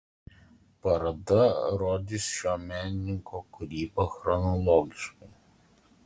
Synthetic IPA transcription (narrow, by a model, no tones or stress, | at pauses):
pɐɾɐd̪ɐɾoːd̪ʲisʃʲoːmʲæːnʲɪnʲɪŋkoːkʊɾʲiːboxɾɔnɔlˠɔːɡʲɪʃkɐɪ